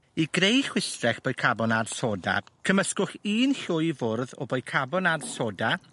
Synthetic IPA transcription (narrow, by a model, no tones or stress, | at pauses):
iɡrejχwɪstrɛχb̥ɔɨkʰabɔnarsoda̰kʰəməskʊχiːnɬʊɨvʊrðɔ̰bojkʰabɔnadsoda